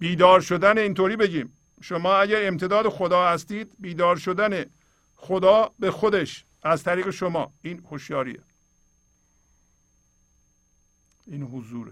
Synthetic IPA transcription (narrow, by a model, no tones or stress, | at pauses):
b̥iːd̪ɒːɾʃod̪æneiːnt̪ʰoːɾiːbe̞ɟiːm | ʃomɒːæɟæɾemt̪ʰe̞d̪ɒːd̪exod̪ɒːhæst̪iːd̪biːd̪ɒːɾʃod̪æne | xod̪ɒːbe̞xod̪e̞ʃ | ʔæzt̪ʰæɾiːɣeʃomɒ̰ːiːnhoʃjɒːɾḭḛ | iːnhozuːɾe